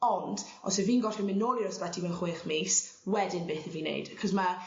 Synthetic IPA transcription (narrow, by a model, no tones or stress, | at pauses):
ɔnd̥ | ɔ̰səviːnɡɔtəmɪnoːlˠiɾɔsbɛtʰimɛwχweːχmiswɛdɪnbɪːθɛviːnḛjd̥kʰɔzma